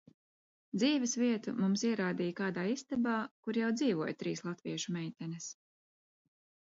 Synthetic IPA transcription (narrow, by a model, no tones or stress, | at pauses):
d̪ziːvɛsviɛt̪ṵmumsiɛɾaːd̪iːjkaːd̪aːist̪ɛbaːkuɾjawd̪ziːvuɔjt̪ɾiːslˠat̪viɛʃumɛjt̪ʲɛnɛs